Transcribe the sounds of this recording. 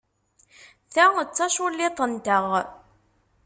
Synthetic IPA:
θæət͡sːɑʃʊlːɪt̪ˤənt̪əʁ

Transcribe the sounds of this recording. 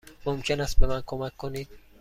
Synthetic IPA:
momkʲʰenast̪̚bemankʰomakʰːonid̪̥̚

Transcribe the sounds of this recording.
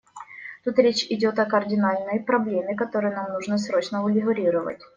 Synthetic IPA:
t̪ut̪ɾʲet͡ɕʲɪdʲo̞t̪ɐkɐrdʲɪnalʲnəjpɾɐblʲemʲɪkɐt̪o̞ɾɨjənamnuʐnəsɾo̞t͡ɕnəʊlʲɪɣʊɾʲiɾəvə̰tʲ

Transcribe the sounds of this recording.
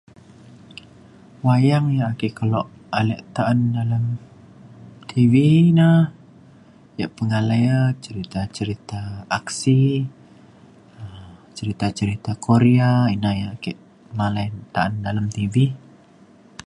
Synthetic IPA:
wajaŋjaakɛʔkəlɔʔ | alɛʔt̪aʔandalam | t̪ʰiviinah | jaʔpəŋalajat͡ʃəɾit̪at͡ʃəɾit̪aːksi | ət͡ʃəɾit̪at͡ʃəɾit̪akʰoɾiainahjaakɛʔ | malajnt̪aʔandalamt̪ivi

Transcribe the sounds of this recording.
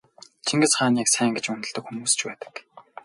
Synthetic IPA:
t͡ɕʰiŋɡɘ̆t͡sχaːnʲiːksæːŋɡet͡ɕmɵnt̪ɵ̆ɮt̪ɵ̆kxumuːst͡ɕpæːt̪ə̥̆k

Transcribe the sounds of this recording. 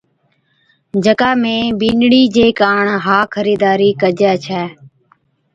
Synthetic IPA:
d͡ʒəkaːmẽːbiːnɽiːd͡ʒeːkaːɳɦaːkʰəɾiːd̪aːɾiːkəd͡ʒjaːt͡ʃʰɛː

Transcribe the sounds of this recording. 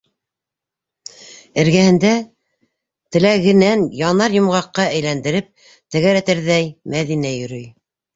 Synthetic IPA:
ɘ̆ɾɡæhɘ̆nd̪æ | t̪ɘ̆læɣɘ̆nænjɑnɑɾjŏmʁɑqːɑæjlænd̪ɘ̆ɾɘp̚ | t̪æɣæɾæt̪ɘɾðæjmæðinæjɵ̆ɾɵj

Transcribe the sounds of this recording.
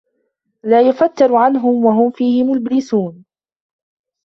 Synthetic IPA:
laːjʊfat̪ːɑɾʕanɦʊmwaɦʊmfiːhɪmʊlblɪsuːn

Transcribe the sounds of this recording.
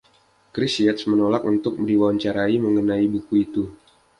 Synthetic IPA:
kɾisiɛt̪smənolakunt̪ʊk̚mdiwawaɲt͡ʃaɾaiməŋənaibukuit̪u

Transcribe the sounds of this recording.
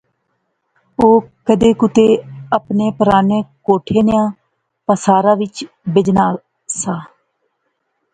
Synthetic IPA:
oːkəd̪eːkʊt̪eːəpneːpəɾaːneːkoːʈʰeːnɪjãː | pəsaːɾãːʋɪt͡ʃ | bɪd͡ʒnaː | saː

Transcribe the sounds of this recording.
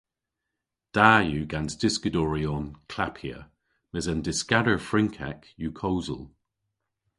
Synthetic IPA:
d̥ajʉːɡansd̥ɪskədɔɹiɔnkʰl̥apʰiə̰ | mɛzəndɪskadə˞fɹɪŋkʰɛ̰kjukʰowzə̰lˠ

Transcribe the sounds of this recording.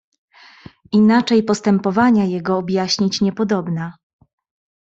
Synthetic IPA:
inat͡ʂɛjpɔst̪ɛmpɔvaɲajɛɡɔːbʲjaɕɲit͡ɕɲɛpɔd̪ɔbna

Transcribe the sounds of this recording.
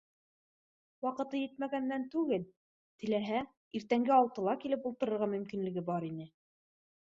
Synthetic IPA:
wɑqɤ̆t̪ɤjɘt̪mæɡænːænt̪ʉɡɘl | t̪ɘ̆læɦæ | iɾt̪æŋɡɘɑlˠt̪ɤ̆lˠɑkilɘpulˠt̪ɤ̆ɾɤ̆ɾʁɑmɵ̆mkinlɘ̆ɡɘbɑɾinɘ

